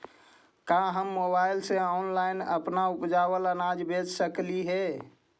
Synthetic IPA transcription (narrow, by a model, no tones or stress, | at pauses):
kãɦəmːobailsẽɔnlaɪnə̰pnaupd͡ʒabələnad͡ʒbʱed͡ʒsəkliɦɛ